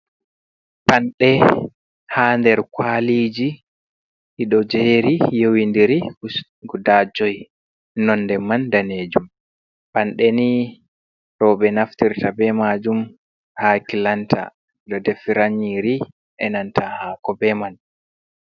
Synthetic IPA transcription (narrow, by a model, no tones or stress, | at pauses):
panɗɛ | haːndɛɾkwaliːd͡ʒi | hiɗɔd͡ʒeːɾijowindiɾi | ɡudad͡ʒɔj | nɔnːdɛmandaneːd͡ʒum | panɗɛni | ɾɔbɛnaftiɾtabɛmad͡ʒum | hakilantʰa̰ | ɗɔdɛfiɾaɲiɾi | ʔɛnantahakɔbɛman